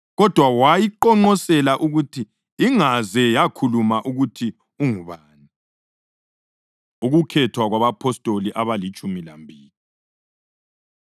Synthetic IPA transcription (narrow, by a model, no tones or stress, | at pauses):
ɣɔd̥ʱwawajiǃɔŋ͡ǃɔsɛlaʔuɣutʰiː | ŋazɛjakʰulumaʔuɣutʰi | uŋuβaːni | uɣukʰɛtʰwaɣwaβapʰɔstʼoliʔaβalit͡ʃʼumila̰mbʱiːli